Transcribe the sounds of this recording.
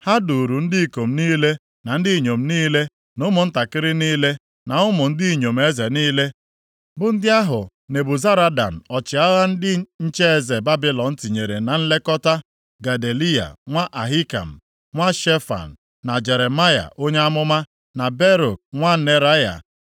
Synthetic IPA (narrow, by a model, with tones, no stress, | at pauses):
ha˦du˨ɾu˨n̩˦dɪ˦i˨ko˨m̩˦niː˦le˦ | na˨n̩˦di˦˨ɲo˨m̩˦niː˦le˦ | nʊ˦mʊ˨n̩˦ta˨kɪ˦ɾɪ˦niː˦le˦ | na˨ʊ˦mʊ˨n̩˦dɪ˦i˨ɲo˨m̩˦e˦ze˨niː˦le˦ | bʊ˨n̩˦dɪ˦a˦ɦʊ˨ | ne˨bʊ˨za˦ɾa˦da̰˨n̩˨ɔ˨t͡ʃɪ˨a˦ɣa˦n̩˦dɪ˦ɲ̩˦t͡ʃe˦e˦˨ze˨ba˦bi˦lɔ˨n̩˦ti˨ɲe˨ɾe˨na˨n̩˦le˦kɔ˦ta˦ | ɡa˨de˨li˦a̰˨ŋʷa˦ʔa˨ɦi˦ka̰˨m̩˨ | ŋʷa˦ʃe˦fa̰˨n̩˨ | na˨d͡ʒe˨ɾe˨ma˦ja̰˨ʔo˦ɲe˦a˦mʊ˦ma˦ | na˨be˦ɾo˨k̚ŋʷa˦ne˨ɾa˦ja̰˨